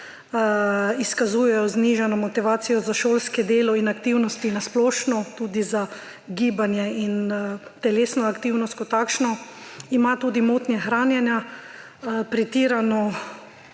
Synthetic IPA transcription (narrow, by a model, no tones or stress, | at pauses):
iskazuːjɛjɔzniʒanɔmɔt̪iʋaːt̪sijɔzaʃoːlskɛd̪eːlɔinakt̪iwnɔst̪inasplɔːʃnɔt̪uːd̪iza | ɡiːbanjɛint̪ɛleːsnɔakt̪iwnɔst̪̚kɔt̪aːkʃnɔimat̪uːd̪imot̪nʲjɛxɾaːnjɛnja | pɾɛt̪iːɾanɔ